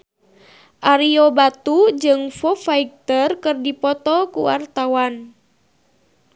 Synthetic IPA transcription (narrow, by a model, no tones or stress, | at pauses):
ʔaɾiobat̪ud͡ʒɨŋfɔfaik̚t̪ərkɨrdipɔt̪ɔkuwa̰rt̪awan